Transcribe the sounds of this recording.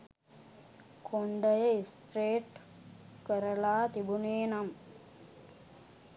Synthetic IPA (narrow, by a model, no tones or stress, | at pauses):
kʰoɳɖəjəisʈreːʈ | kəɾəlaːt̪ibuneːnam